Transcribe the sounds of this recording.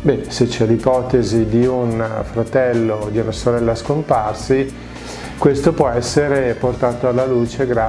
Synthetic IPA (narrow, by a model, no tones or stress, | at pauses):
bɛset͡ʃːɛlipɔːt̪ezid̪iunfɾat̪ɛlːod̪iunasoɾɛlːaskomparsi | kwest̪opwɔɛsːeɾeport̪aːt̪oalːaluːt͡ʃeɡɾa